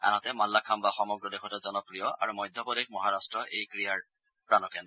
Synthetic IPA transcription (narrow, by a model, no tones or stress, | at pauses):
a̰nɔtɛmalːakʰambaxɔmɔɡɹɔdexʰɔtɔzɔnɔkɹijɔʔa̰ɹumɔjd̪ʱjɔpɔdik̚mɔɦaɹastɹɔʔejkɹijaɹ | pɹanɔkɛndɔ